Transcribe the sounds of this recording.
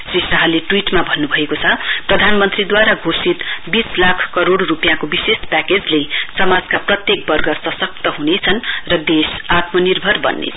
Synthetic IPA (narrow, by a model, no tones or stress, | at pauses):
srisaɦʌleʈwiʈmabʱʌnːubʱʌekot͡sʰʌprʌd̪ʱanmʌnt̪rid̪waɾaɡʱosit̪bislakʰkʌɾoɽrupjãkobisespaked͡zlesʌmad͡zkaprʌt̪jek̚bʌrɡʌrsʌsʌk̚t̪ʌɦunet͡sʰʌnrʌd̪esat̪mʌnirbʱʌrbʌ̰nːḛ